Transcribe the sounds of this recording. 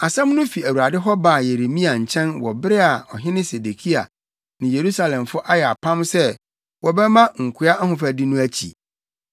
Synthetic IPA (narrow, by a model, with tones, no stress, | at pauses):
a˨sã˦m˦nʊ̃˦fi˨æ˨wu˨ɾa˨dɪ˦ɦɔ˦ba˨je˨ɾe˨mĩ˦a˨ɲ̩˨t͡ɕʰɛ̃˦nwɔ˨bɪ˦ɾɪ˦a˨ɔ˨ɦɪ̃˦nɪ̃˦se˨de˨kʰi˦a̰˨ | nɪ̃˨je˨ɾu˦sa˨lɛ̃˨mfʊ˦ʔa˦jɛ˨a̰˨pʰã˦msɛ˦ | wɔ˨bɛ˦mã˦ŋ̩˨kʷʰʊ˦a˦ʔa˦hʊ̃˨fæ˨di˦nʊ̃˦æ˦t͡ɕʰḭ˨